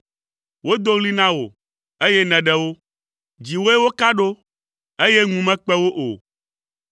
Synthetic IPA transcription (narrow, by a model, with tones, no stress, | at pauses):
wo˦d̪o˦ɣli˦nã˦wo̰˨ | e˦jɛ˦nɛ̃˨ɖɛ˦wo˦ | d͡ʑi˨wo˦e˦wo˦ka˦ɖo˦ | e˦jɛ˦ŋũ˨mɛ̃˦k͡pɛ˦wo˦ʔo̰˨